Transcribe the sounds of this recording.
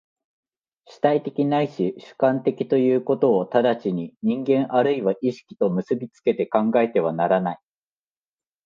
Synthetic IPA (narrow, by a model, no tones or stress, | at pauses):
ɕi̥t̪ait̪e̞kʲinaiɕiɕɨ̥kãnt̪e̞kʲi̥t̪o̞jɯ̟ːko̞t̪o̞ːt̪ad̪at͡ɕiɲ̟iɲ̟ĩŋɡẽ̞ɰ̃ʔaɾɯ̟iβaʔiɕi̥kʲi̥t̪o̞mɯ̟sɨbʲit͡sɨ̥ke̞t̪e̞kãŋɡae̞t̪e̞β̞anaɾanai